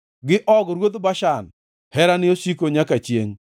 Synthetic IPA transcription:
ɡɪʔɔɡɾwod̪baʃan | hɛɾanɪosikoɲakat͡ʃjeŋ

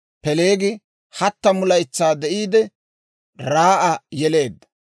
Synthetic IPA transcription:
pɛle̞ːɡɪ | hɐt̪ːɐmʊlɐjt͡sːaːd̪ɛʔiːd̪ɛ | ɾaːʔɐjɛle̞ːd̪ːɐ̥

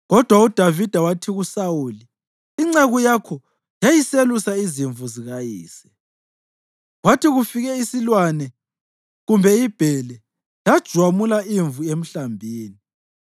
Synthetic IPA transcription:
ɣɔd̥ʱwaud̥ʱavid̥ʱawatʰiɣusawuːliː | ŋ͡ǀeɣujakʰɔ | jajiselusaiziɱvuziɣajiːsɛ̥ | ɣwatʰiɣufiɣɛisilwanɛ | ɣumbʱɛib̥ʱɛlɛ | lad̥ʒ̥ʱwamulaʔiɱvuem̩ɬambʱiːni

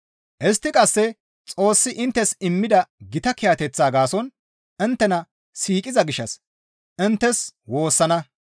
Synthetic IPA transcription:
ʔɛst̪ːɪkʼɐsːɛ | t͡sʼo̞ːsːɪʔɪnt̪ːɛsɪmːɪd̪ɐɡɪt̪ɐkɪjat̪ɛt͡sːaːɡaːsɔn | ɪnt̪ːɛnɐ | siːkʼɪzɐɡɪʃɐ̰s | ʔɪnt̪ːɛswo̞ːsːɐnɐ

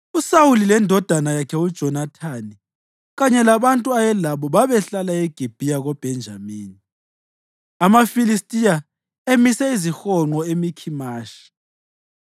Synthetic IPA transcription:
usawulilɛndʱɔd̥ʱanajakʰɛud̥ʒ̥ʱɔnatʰaːni | ɣaɲɛlaβantʼuajɛlaβɔβaβɛɬalaeɡ̥ʱib̥ʱijaɣɔb̥ʱɛnd͡ʒʱamiːni | amafilistʼija | emisɛizixɔŋ͡ǃɔemikʰimaːʃi̥

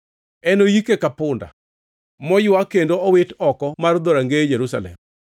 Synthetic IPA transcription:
ɛnojikekapʊnda̰ | mɔjʊwakendoɔwɪtɔkɔmard̪oɾaŋɡejɛɾusa̰lɛ̰m

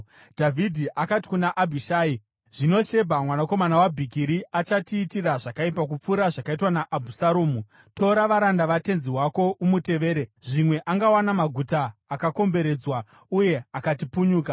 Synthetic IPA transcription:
dʱavʱidʱiʔakati̥kunaʔabʱiʃaːi | ʐ̥ino̞ʃe̞bʱamwanako̞manawabʱikiɾiat͡ʃatiːtiraʐakaipakup͡fuɾaʐakaitwanaʔːbʱusaɾoːmu | to̞ɾaʋaɾandaʋate̞nziwako̞ʔumute̞ʋe̞ːɾeʐimwe̞ʔaŋɡawanamaɡʱutaːkako̞mbe̞ɾe̞d͡zwa | uje̞akatipuɲuːka

